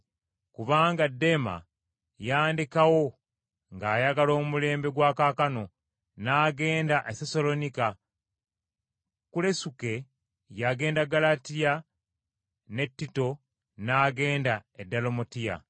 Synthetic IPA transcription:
kuβaːŋɡadːe̞ma̰ | jaːndikawo̞ | ŋɡaːjaɡalo̞ːmumule̞ːmbe̞ɡwaːkaːkano̞ | naːɡe̞ːndaʔeseso̞lo̞nika | kule̞suke̞ | jaɡe̞ːndaɡalatija | ne̞tːito̞ | naːɡe̞ːndaedːalo̞motija̰

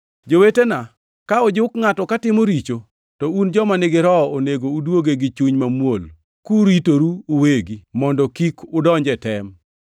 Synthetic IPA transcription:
d͡ʒowetena | kaɔd͡ʒɪʊkŋatɔkatɪmoɾit͡ʃo | tɔund͡ʒɔmanɪɡɪɾɔoneɡoudwoɡeɡɪt͡ʃuɲmamwol | kuɾitoɾuːweɡimɔndɔkikʊdɔɲd͡ʒɛtɛm

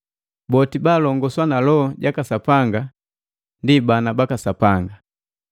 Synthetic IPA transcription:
bɔtibaːlɔŋɡɔswanalɔɟakasapaŋɡa | ndibanabakasapaŋɡa

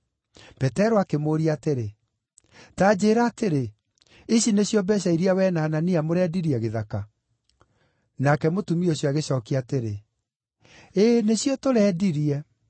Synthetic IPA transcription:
pɛtɛɾoakemoːɾiateɾe | taːd͡ʑeːɾaːteɾe | eɕineɕjɔbɛɕ̬aiɾiawɛnaːnaniamoɾɛːdiɾiɛɣeðaka | nakɛmotumioɕjɔaɣeɕɔːkiateɾe | eneɕjɔtoɾɛːdiɾiɛ

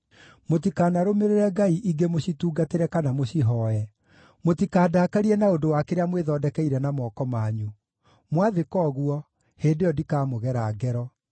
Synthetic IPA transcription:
motikaːnaɾomeɾeɾɛɡaiʔiɡemoɕituːɡateɾɛkanamoɕiɦɔɛ | motikaːdakaɾiɛnaondowakeɾeamweðɔːdɛkɛiɾɛnamɔkɔmaɲu | mwaðekɔːɣwɔ | hendejɔdikamoɣɛɾaːɡɛɾɔ

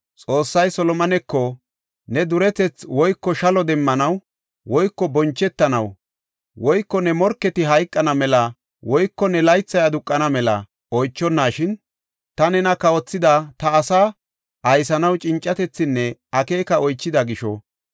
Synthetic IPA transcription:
t͡sʼo̞ːsːɐjsɔlɔmɐnɛkːɔ | nɛd̪ʊɾɛt̪ɛt͡swɔjkːɔʃɐlɔd̪ɛmːɐnɐw | wɔjkːɔbɔnt͡ʃːɛt̪ːɐnɐw | wɔjkːɔnɛmɔɾkːɛt̪ɪɦɐjkʼːɐnɐmɛlɐ | wɔjkːɔnɛlɐjt͡sːɐjɐd̪ʊkʼːɐnɐmɛlɐ̰ | ɔjt͡ʃːɔnːaːʃɪn | t̪ɐnɛnɐkɐwɔt͡sːɪd̪at̪ɐːsaː | ʔɐjsɐnɐwt͡ʃʼɪnt͡ʃʼːɐt̪ɛt͡sːɪnːɛɐke̞ːkɐɔjt͡ʃːɪd̪ɐɡɪʃɔ̰

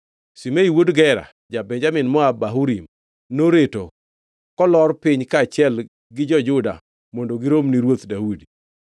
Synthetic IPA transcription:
simeiwodɡɛɾa̰ | d͡ʒabɛɲd͡ʒamɪnmɔabaɦuɾim | noɾeto | kɔlɔrpɪɲkat͡ʃɪɛl | ɡɪd͡ʒɔd͡ʒʊda̰ | mondoɡɪɾomniɾwot̪daudi

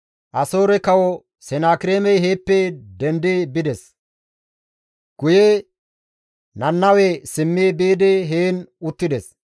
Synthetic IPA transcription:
ʔɐso̞ːɾɛkɐwɔ | sɛnaːkɪɾeːmɛjɦeːpːɛd̪ɛnd̪ebɪd̪ɛs | ɡ̥ʊjɛ | nɐnːɐwɛsɪmːeːbeːd̪ɛɦeːnʊt̪ːɪd̪ɛs

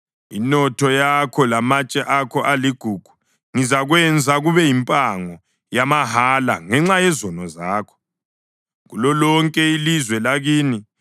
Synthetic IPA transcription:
inɔtʰɔjakʰɔlamat͡ʃʼɛʔakʰɔʔaliɡ̥ʱuːɡ̥ʱu̥ | ŋizaɣwɛnd͡zʱaɣuβɛjimpʼaŋɔ | jamaɦala̰ŋɛŋ͡ǁajɛzɔnɔzaːkʰɔ̥ | ɣṵlɔlɔŋkʼɛilizwɛlaɣiːni

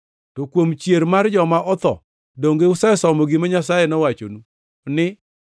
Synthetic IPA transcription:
tokwomt͡ʃjeɾmard͡ʒɔmaʔɔt̪ɔ̰ | doŋɡeʊsɛsɔmɔɡɪmaɲasajɛnɔwat͡ʃo̰nu | nɪ

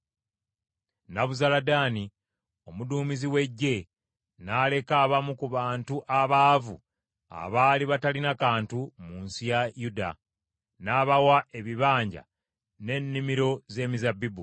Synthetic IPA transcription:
naβuzaladaːni | o̞muduːmiziwe̞ɟːe̞ | nale̞kaːβamukuβaːntuʔaβaːvṵ | a̰βaːliβatalinakaːntumunsijajuda̰ | naːβawae̞βiβaːɲɟa̰ | ne̞nːimiɾo̞ze̞ːmizabibu

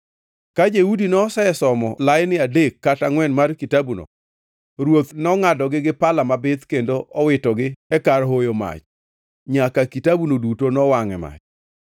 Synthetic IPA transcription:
kad͡ʒeudinɔsɛɛsɔmɔ̰lajnɪadekːataŋwɛnmarkitabuno̰ | ɾwot̪nɔŋadɔɡɪɡɪpalamabɪt̪kendoʔɔwɪtɔɡɪɛkaɾɦojoma̰t͡ʃ | ɲakakitabunodutonɔwaŋɛma̰t͡ʃ

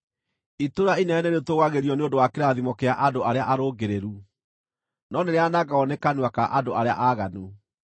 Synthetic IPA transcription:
itoɾainɛneɾetoɣaɣeɾiɔneondowakeɾaðimɔkeaʔadoaɾeaʔaɾoːɡeɾeɾu | nɔneɾeanaɡaɔnɛkanwakaʔadoʔaɾea̰ʔaːɣanu

